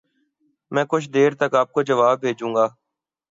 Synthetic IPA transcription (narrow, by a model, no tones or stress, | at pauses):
mɛ̃ːkʊt͡ʃʰd̪eːɾt̪əkaːp̚kod͡ʒəʋaːbːʱeːd͡ʒũːŋɡaː